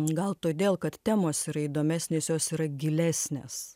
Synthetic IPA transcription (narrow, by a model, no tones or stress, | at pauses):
ɡɐlˠt̪oːd̪ʲeːlˠkɐt̪t̪ʲæːmoːsiɾɐiːd̪oːmʲæːsʲnʲeːsjoːsiːɾɐɡʲɪlʲæːsʲnʲḛːs